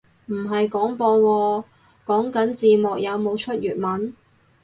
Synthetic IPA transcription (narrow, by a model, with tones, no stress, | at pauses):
m̩˨˩ɦɐ˨jkɔː˨˥ŋpɔː˧wɔː˧ | kɔː˨˥ŋkɐ˨˥nt͡siː˨mɔː˨k̚jɐ˨˧wmo˨˧wt͡ʃʰɵ˥t̚ɥyː˨˩t̚mɐ˨˥n